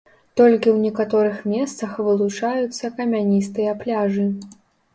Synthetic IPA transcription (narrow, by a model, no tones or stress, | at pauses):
t̪ɔlʲkʲiwnʲɛkat̪ɔɾɨxmʲɛst̪sɐxvɨlˠut͡ʂajut̪sːɐkɐmʲanʲist̪ɨjɐplʲaʐɨ